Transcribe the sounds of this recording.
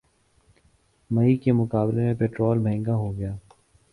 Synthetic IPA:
mɐikemʊkaːblemẽpeːʈɾoːlmɛ̃ːŋɡaɦoɡɐjaː

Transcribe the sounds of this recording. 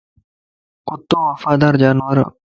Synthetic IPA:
qʊt̪ːõːwɐfaːd̪aːɾd͡ʑaːnwɐɾa̰

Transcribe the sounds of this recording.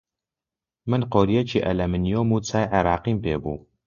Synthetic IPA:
mɨnqoːɾijɛt͡ʃʰiːʔɛlɛmɨnijoːmuːt͡sʰaːjʕɛɾɑːqimpḛːbṵː

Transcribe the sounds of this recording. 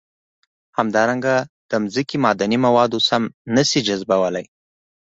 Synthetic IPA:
hamd̪ɑɾaŋɡad̪̥əmzəkimɑd̪animawɑd̪osamnəsid͡ʒazbawəlaj

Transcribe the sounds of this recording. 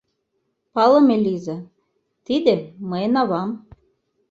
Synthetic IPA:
pɑlɤ̆melʲizɑ | t̪id̪ĕməjnɑβɑm

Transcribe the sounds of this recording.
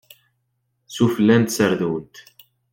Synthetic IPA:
sufəlːænt̪səɾðuwənt̪

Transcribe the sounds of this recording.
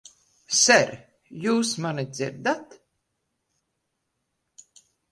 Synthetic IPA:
sɛɾ | juːsmanid̪ziɾd̪at̪

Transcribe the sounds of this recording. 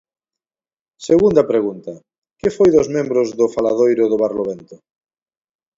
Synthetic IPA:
seɣund̪ɐpɾeɣunt̪ɐ | kɪfojðʊzmẽmbɾʊzðʊfalaðojɾʊðʊβaɾloβent̪ʊ

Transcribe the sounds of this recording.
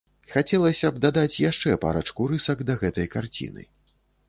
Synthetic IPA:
xat͡sʲɛlˠɐsʲɐb̚d̪ad̪at͡sʲjaʂt͡ʂɛpa̰ɾɐt͡ʂkuɾɨsɐɡd̪ɐɣɛt̪ɐjkart͡sʲḭnɨ̰

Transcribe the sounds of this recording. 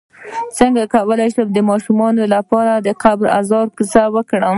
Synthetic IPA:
t͡səŋɡakawəlajʃəmd̪əmɑʃumɑnolapɑɾad̪əqabɾa̰zɑɾkəsawəkɽəm

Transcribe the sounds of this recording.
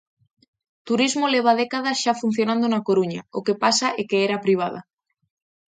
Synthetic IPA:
t̪uɾizmoleβ̞að̞ekaðasʃafun̟θjonãnd̪onakoɾuɲaokepasaʔekeeɾapɾiβ̞að̞a̰

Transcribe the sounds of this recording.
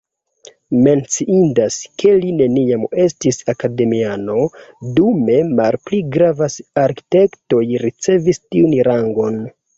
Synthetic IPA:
me̞nt͡siʔindaskʰe̞line̞niame̞stisakade̞miano̞dume̞malpliɡɾavasaɾki̥te̞kto̞jɾit͡se̞vistiunɾaŋɡo̞n

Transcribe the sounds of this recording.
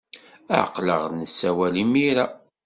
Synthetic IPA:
ə̰qːlə̰ʁnəsːæwælimiɾæ

